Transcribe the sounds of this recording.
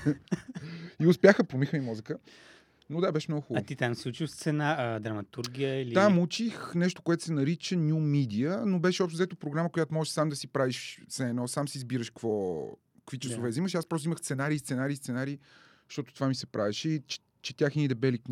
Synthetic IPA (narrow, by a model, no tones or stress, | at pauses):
iʊspʲjaxəpɾomixəmimɔzəkə | nod̪abɛʃɛmnɔɡʊxuat̪it̪amsut͡ʃist̪sɛnad̪ɾɐmɐt̪uɾɡʲijəilit̪amut͡ʃixnɛʃt̪o̥koɛt̪o̥sɛnɐɾit͡ʃənʲjumid̪iənobɛʃɛɔpʃt̪ozɛt̪opɾoɡɾaməkojat̪omɔʒɛʃsamd̪ɐsipɾaviʃsɛnɔsamsizbiɾəʃkvɔ | kvit͡ʃəssovɛziməʃiaspɾɔst̪ʊiməxst̪sɛnaɾiːst̪ɛnaɾiːst̪sɛnaɾiː | ʃt̪ɔt̪o̥t̪ovamisɛpɾavɛʃɛit͡ʃ | t͡ʃɛt̪ʲjaxinid̪ɛbɛlik